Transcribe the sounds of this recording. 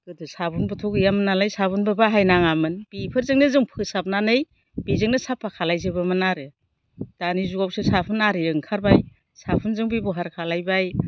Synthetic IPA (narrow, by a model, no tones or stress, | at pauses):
ɡɯdɯsabunbɯtʰɔɡɯjamɯnalajsaβunbɯbaɦajnaŋamɯnb̥ipʰɯɾzɯŋnɯzɯŋpʰɯsap̚nanɯj | b̥izɯŋnɯsapʰːakʰalajzɯbɯmɯnaɾɯ | d̥anizuɡawsɯsapʰɯnaɾɯɯŋkʰaɾbaj | sapʰɯnzɯŋbibɔɦaɾkʰalajbaj